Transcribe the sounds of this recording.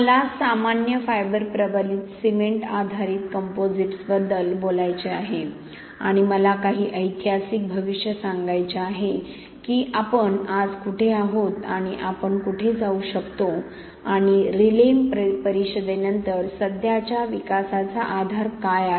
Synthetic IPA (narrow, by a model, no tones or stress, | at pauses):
əlasamanjəfajbəɾpɾəbaliːt̪simeɳʈad̪ʱaɾiːt̪kəmpod͡ziʈsbəd̪ːəlbolajt͡ɕeaɦe | aɽ̃iməlakaɦiːʔəjt̪jasik̚bʱəʋiɕjəsãŋɡajt͡ɕeaɦe | kiːʔapəɳad͡zkuʈʰeaɦot̪aɽ̃iʔapəɳkuʈʰed͡zauɕəkt̪o | aɽ̃iɾilemppəɾiɕəd̪enənt̪əɾsəd̪ʱjat͡ɕjaʋikasat͡saʔad̪ʱaɾkaja